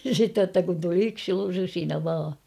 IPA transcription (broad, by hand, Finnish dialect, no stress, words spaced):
sitːej jotːɑ kun tuli yksi rusinɑ ʋɑː